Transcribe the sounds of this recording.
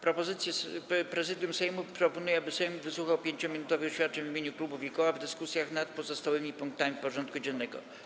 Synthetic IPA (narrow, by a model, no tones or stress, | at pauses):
pɾɔpɔzɘt̪sʲjɛspɾɛzɘd̪ʲjumsɛjmupɾɔpɔnujɛabɘsɛjmvɘswuxawpʲjeɲt͡ɕɔmʲinut̪ɔvɘxɕfʲat̪̚t͡ʂɛɲvmʲeɲuklubufʲjikɔwavd̪ɘskusʲjaxnat̪̚pɔzɔst̪awɘmʲipuŋk̚t̪amʲifpɔʐɔnt̪̚kud͡ʑɛnːɛɡɔ̰